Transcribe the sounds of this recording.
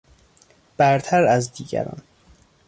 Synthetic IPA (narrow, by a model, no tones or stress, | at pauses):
b̥æɾt̪ʰæɾæzd̪iːɡæ̰ɾɒ̰n